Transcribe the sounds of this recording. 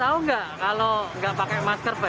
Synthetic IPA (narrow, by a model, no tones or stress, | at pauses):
auŋɡaʔʔkaloŋɡaʔpakɛjmaskərba